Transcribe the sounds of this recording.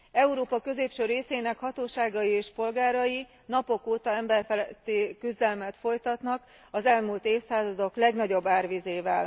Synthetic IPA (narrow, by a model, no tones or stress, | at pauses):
ɛuɾoːpɒkø̞zeːpʃøreːseːnɛkhɒt̪oːʃaːɡɒjieːʃpo̞lɡaːɾɒji | nɒpo̞koːt̪ɒɛmbɛrfɛlɛt̪ːeːkyzd̪ɛlmɛt̪fo̞jt̪ɒt̪nɒk | ɒzɛlmult̪eːfsaːzɒd̪o̞klɛɡnɒɟo̞bːaːrʋizeːvɛl